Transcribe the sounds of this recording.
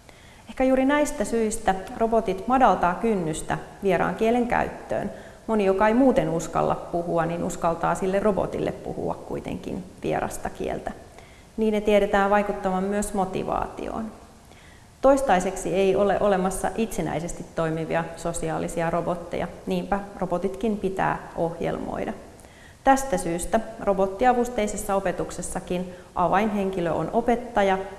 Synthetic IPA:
ehkæjuːɾinæjst̪æsyist̪æro̞bo̞t̪it̪mɑdɑlt̪ɑːkynːyst̪æʋieɾɑ̰ːŋk̟ieleŋkæ̰yt̪ːø̰ːn | mo̞nijokɑejmuːt̪e̞nuskɑ̰lːɑ̰ppuhuɑniːnʔuskɑlt̪ɑːsilːerro̞bo̞̰t̪ḭlːḛppṵhṵɑ̰kkujt̪ḛŋkḭnʋḭḛɾɑ̰st̪ɑkḭḛlt̪æ | niːnːet̪ieɾet̪æːʋɑjkut̪ːɑʋɑmːyøsmo̞t̪ḭʋɑ̰ːt̪ḭo̰ːn | t̪o̞jst̪ɑjseksie̞jo̞leʔo̞le̞mɑsːɑ̰ʔit̪senæ̰jsest̪it̪ːo̞jmiʋḭɑso̞siɑːlisiɑɾo̞bo̞t̪ːe̞̰jɑ̰niːmpæro̞bo̞t̪it̪kimpit̪æ̰ːʔo̞hjḛlmo̰jdɑ | t̪æst̪æsyːst̪æro̞bo̞t̪ːiɑʋust̪eisesːɑope̞t̪ukse̞sːɑkinʔɑʋɑjnɦe̞ŋkiløʔo̰no̞pe̞t̪ːɑjɑ

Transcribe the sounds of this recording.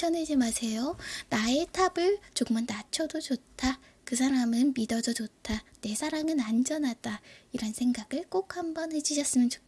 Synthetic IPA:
ʌned͡ʑimasʰe̞jonae̞tʰabɯɭt͡ɕoɡɯmanːat͡ɕʰʌdod͡ʑotʰa | kɯs̬ʰaɾamɯnmidʌd͡ʑʌd͡ʑotʰane̞sʰaɾaŋɯnand͡ʑʌnad̥aiɾʌnsʰe̞ŋɡaɡɯɭk͈ok̚hambʌnɦe̞d͡ʑiɕʰʌs͈ɯmjʌnt͡ɕo̥kʰ

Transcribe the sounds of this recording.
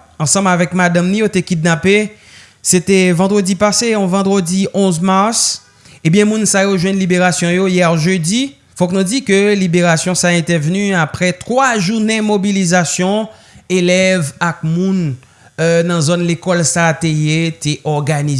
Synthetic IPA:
ɑ̃sɑ̃mbavɛkmad̪ãmnĩjot̪ekid̪̚nape | set̪ɛvɑ̃d̪ʁədipaseɔ̃vɑ̃d̪ʁədiʔɔ̃zmaʁs | ẽbjɛ̃mũnsajoʒwɛ̃nlibeʁasjɔ̃jojɛʁʒødi | fɔknũd͡zikølibeʁasjɔ̃saɛ̃t̪ɛʁvnyapʁɛt̪χwaʒuʁnemobilizasjɔ̃ | elɛvak̚mũn | nɑ̃zonlekɔlsat̪ejet̪eʔɔʁɡani

